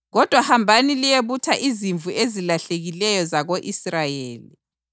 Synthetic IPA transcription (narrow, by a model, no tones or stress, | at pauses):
ɣɔd̥ʱwahambʱanilijeβutʰaʔiziɱvuʔezilaɬeɣilɛjɔzaɣoʔisrajeːli